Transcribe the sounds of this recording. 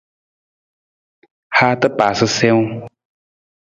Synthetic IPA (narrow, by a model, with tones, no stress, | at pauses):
ha˧t̪ə˦pa˨sɨ˧sɛ˧w